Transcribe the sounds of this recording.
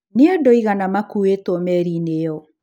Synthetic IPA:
neodɔiɣanamakuetɔmɛɾinejɔ

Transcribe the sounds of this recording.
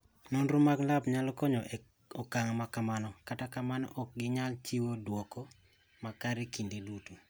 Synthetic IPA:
nɔnɾʊmaɡlabɲalɔkɔɲɔʔ | ɔkaŋmakamanɔkatakamanɔ̰ʔɔk̚ɡɪɲalt͡ʃiwodwɔkɔ | makaɾekindedutu

